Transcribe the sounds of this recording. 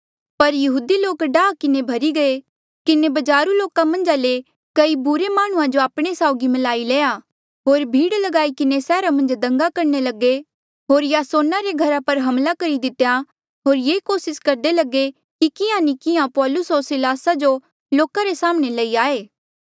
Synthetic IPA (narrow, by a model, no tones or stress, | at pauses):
pɐɾjɐɦuːd̪iloːkɖaːkɪnebʱɐɾiɡɐe | kɪnebɐd͡ʒaːɾuloːkamɐ̃nd͡ʒale | kɐibʊɾemaːɽ̃ʊ̃ãd͡ʒoaːpɽ̃esaːʊɡimɐlaːileːa | ɦoːɾbʱiːɽlɐɡaːikɪnesɛːɾamɐ̃nd͡ʒd̪ɐ̃ŋɡakɐɾnelɐɡe | ɦoːɾjaːsoːnaɾeɡʱɐɾapɐɾɦɐ̃mlakɐɾid̪ɪt̪ja | ɦoːɾjeːkoːsɪskɐɾd̪elɐɡe | kikɪjãnikɪãpɔːlʊsɦoːɾsɪlaːsad͡ʒo | loːkaɾesaːmɽ̃elɐiaːeː